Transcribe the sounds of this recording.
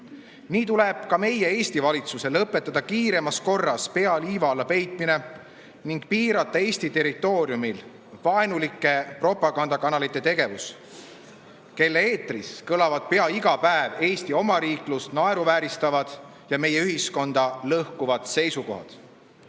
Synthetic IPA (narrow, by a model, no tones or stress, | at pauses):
niːt̪ule̞b̥kɑme̞jee̞ːst̪ivɑlʲit̪suselɤpːˑe̞t̪ːˑɑd̪̥ɑkiːɾe̞mɑsko̞rːɑspe̞ɑliːvɑlːɑpe̞jt̪ˑmine̞ | niŋɡ̥̚piːɾɑt̪ːˑɑe̞ːsʲt̪it̪e̞rit̪ːˑo̞ːɾjumil | vɑenulikːˑe̞pro̞pːˑɑɡ̥ɑnd̪ɑkɑnɑlit̪ːˑe̞t̪e̞ɡ̥e̞vus | ke̞lːee̞ːt̪riskɤlɑvɑd̪̥̚pe̞ɑiɡ̥ɑpæeve̞ːsʲt̪io̞mɑɾiːklust̪nɑe̞ɾuvæːɾist̪ɑvɑd̪̥ | jɑme̞je̞yɦisko̞nd̪̥ɑlɤhkuvɑd̪̥se̞jsuko̞̰ɦɑ̰d̪̥